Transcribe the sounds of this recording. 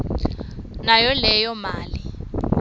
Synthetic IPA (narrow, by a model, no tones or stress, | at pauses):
najɔlɛjɔmaːli